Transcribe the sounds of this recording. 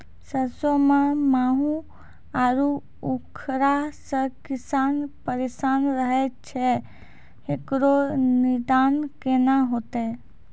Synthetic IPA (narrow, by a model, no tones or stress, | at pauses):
səsomãmaːɦũ | aɾu | ukʰɾasə̃kisaːnpəɾesaːnɾəɦɛt͡ʃʰɛ | ɦekɾonid̪aːnkenaɦot̪e